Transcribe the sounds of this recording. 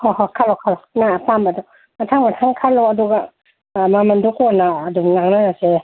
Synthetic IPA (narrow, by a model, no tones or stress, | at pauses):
hɔhɔkʰalɔkʰalɔnapambadɔ | matʰaŋmatʰaŋkʰalɔaduɡa | mamandukɔnaːduŋnaŋnanase